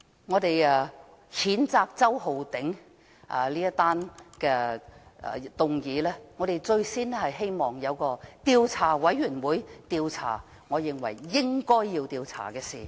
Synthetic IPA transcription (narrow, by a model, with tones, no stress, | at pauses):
ŋɔː˨˧t̪e˨jɛ˨˧ | hiː˨˥nt͡saː˧k̚t͡sɐ˥who˨wt̪ɪ˨˥ŋ | ʔɐ̰˨˩liː˥jɐ˥t̪aː˥nkɛ̰ː˧˨ | t̪ʊ˨˧ŋjiː˨˧lɛː˥ŋɔː˨˧ɾe˨jt͡sɵ˧ɥsiː˥n˥hɐ˨jɦe˥jmɔː˨ŋjɐ˨˧wkɔː˧t̪iː˨˧wt͡sʰaː˨˩wɐ˨˥jɥyː˨˩nwuː˨˧˥jt̪iː˧wt͡sʰa̰ː˨˩ | ŋɔː˨˧jɪ˨ŋwɐ̰˨˩jːɪ˥ŋkɔː˥jːiː˧wt̪iː˨˧wt͡sʰa̰ː˨˩kɛː˧siː˨˩